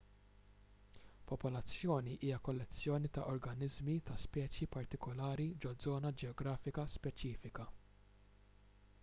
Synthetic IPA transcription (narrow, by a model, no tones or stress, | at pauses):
pɔpɔlɐt͡sːjɔːniʔiːjɐkɔlːɛt͡sːjɔːnit̪ɐʔɔɾɡɐnɪzmit̪ɐspɛːt͡ʃjipɐɾt̪ɪkɔlɐːɾid͡ʒɔzɔːnɐd͡ʒɛɔɡɾɐːfɪkɐspɛt͡ʃiːfɪkɐ